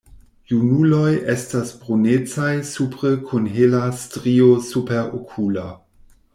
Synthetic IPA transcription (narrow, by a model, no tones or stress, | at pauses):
junulojʔe̞stasbʁonet͡sajsupɾəkʰunɦelastɾiosupeɾo̰kʰula